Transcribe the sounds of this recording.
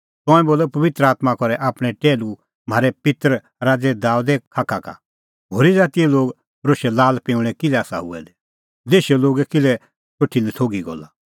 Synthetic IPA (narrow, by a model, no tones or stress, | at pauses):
t̪ɔ̃ɛ̃boːlɔpɐʋɪt̪ɾəaːt̪makɔɾɛʔaːpɽ̃ɛ̃ʈeːlu | m̤aːɾɛpɪt̪ɾə | ɾaːd͡zɛd̪aːud̪ɛkʰaːkaka̰ | ɦoːɾid͡zaːt̪iɛloːɡ | ɾoːʃɛlaːlpẽʊ̃ɽ̃ɛ̃kɪlɛaːsa̰ɦʊ̰ɛ̰d̪ɛ | d̪eːʃɛloːɡɛkɪlɛ | t͡ʃoʈʰilɛt̪ʰoːɡiɡɔ̰la̰